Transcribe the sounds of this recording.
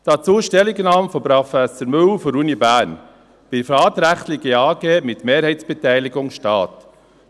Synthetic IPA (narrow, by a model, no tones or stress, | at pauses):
d̥ɑt͡suːʃtɛlɪɡnɑːmfɔpɾofæsəɾmɵlfɔɾunibæːɾn | b̥ɪfɾɑːt̪ɾæχtlɪɡiɑːɡeːmɪt̪meːɾhɛɪtsb̥ɛtɛɪlɪɡʊŋʃtɑːt